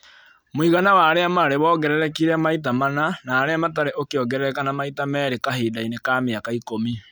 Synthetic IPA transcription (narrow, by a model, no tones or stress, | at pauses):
moiɣanawaːɾeamaɾeβɔɡɛɾɛɾɛkiɾɛmait̬amananaːɾeamat̬aɾeʔokeɔɡɛɾɛɾɛkanamaitamɛːɾekaɦedainekameakaikomi